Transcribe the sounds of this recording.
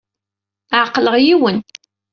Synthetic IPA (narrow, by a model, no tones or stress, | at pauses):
ʕqləʁjiwən